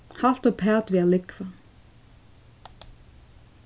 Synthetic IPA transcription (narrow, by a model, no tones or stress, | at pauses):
hal̥t̪ɔɣpʰɛːt̪viaðlɪkva